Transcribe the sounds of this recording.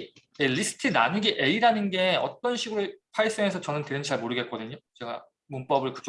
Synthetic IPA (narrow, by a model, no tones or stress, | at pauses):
jelisʰɯ̥tʰɯna̰nɯɡiʔe̞iɾanɯnɡe̞ʌ̰t͈ʌnɕʰiɡuɾuɭpʰaɭs͈eŋe̞sʰʌt͡ɕʌnɯnteɾɯnt͡ɕaɭmoɾɯɡet̚k͈ʌdɯɲot͡ɕe̞ɡa̰ | mump͈ʌbɯɭkɯd͡ʑ